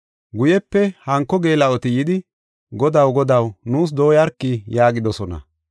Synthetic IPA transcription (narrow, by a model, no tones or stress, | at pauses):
ɡʊjɛpːɛhɐŋkːɔɡe̞ːlɐɔt̪ɪjɪd̪ɪ | ɡɔd̪ɐwɡɔd̪ɐwnuːs̬d̪o̞ːjɐɾkːɪjaːɡɪd̪ɔsɔnɐ̰